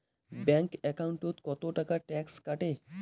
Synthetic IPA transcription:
bɛ̃ŋkɛkauɳʈot̪kɔt̪oʈəkaʈɛkskəʈe

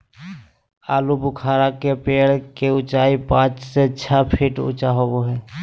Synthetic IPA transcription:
aːlubʊkʰaːɾakepeːɽkeʊt͡ʃaːipãːt͡ʃseətːʃʰapʰiʈʊ̰t͡ʃaɦoːboɦɛː

